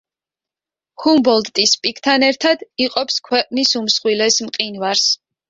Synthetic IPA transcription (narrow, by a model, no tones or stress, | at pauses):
humbɔld̪t̪ʼispʼikʰt̪ʰanɛɾt̪ʰad̪iqʼɔpskʰwɛqʼnisumsχwilɛsmqʼinvaɾs